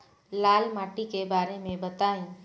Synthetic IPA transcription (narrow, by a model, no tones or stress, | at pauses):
laːlmaːʈikebaːɾemẽbɐt̪aːĩː